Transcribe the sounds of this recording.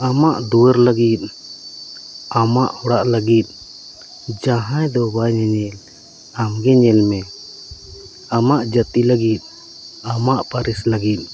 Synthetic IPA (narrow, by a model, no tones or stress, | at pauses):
amaʔd̪uwəɾləɡit̪̚ | amaʔɔɽaʔləɡit̪̚ˀ | d͡ʒaɦãjd̪ɔbajɲaɲɛl | amɡɛɲɛlmɛ | amaʔd͡ʒət̪iləɡit̪̚ˀ | amaʔpaɾisləɡit̪̚ˀ